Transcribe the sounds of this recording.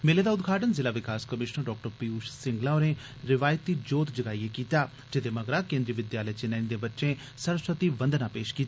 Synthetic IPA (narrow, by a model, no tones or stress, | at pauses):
meːleːd̪aːʊd̪ɡʱaːʈənzɪlaːʋɪkaːskəmɪʃnəɾɖɔːk̚ʈəɾpiːuːʃsɪ̃ŋɡlãːonẽː | ɾɪʋaːjət̪ːiːd͡ʒoːt̪d͡ʒəɡaːiːeːkiːt̪aː | d͡ʒɪd̪eːməɡɾaːkẽːnd̪ɾiːʋɪd̪jaːləet͡ʃɪnəːnĩd̪eːbətːʃẽː | səɾsɾət̪iːʋə̃nd̪nãːpeːʃkiːt̪a